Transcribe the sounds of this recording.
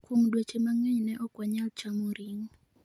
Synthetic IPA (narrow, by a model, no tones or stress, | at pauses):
kwuŋdwet͡ʃemaŋɛɲnɛʔɔkwaɲalt͡ʃamoɾiŋ